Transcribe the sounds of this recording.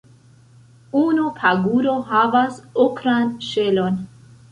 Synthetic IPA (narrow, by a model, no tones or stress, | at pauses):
unupʰaɡuɾohavasokɾanʃelon